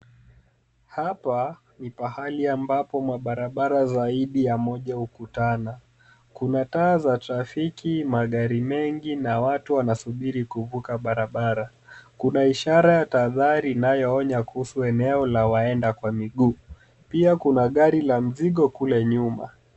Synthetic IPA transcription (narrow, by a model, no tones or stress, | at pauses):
hapa | nipahaliambapɔmaɓaɾaɓaɾazaiɗijamɔʄaukutana | kunataːzatɾafikimaɠaɾimɛŋɡinawatuwanasuɓiɾikuvukaɓaɾaɓaɾa | kunaiʃaɾajataðaɾinajɔɔɲakuhusuɛnɛɔlawaɛndakwamiɠuː | piakunaɠaɾilam̩ziɠɔkulɛɲuma̰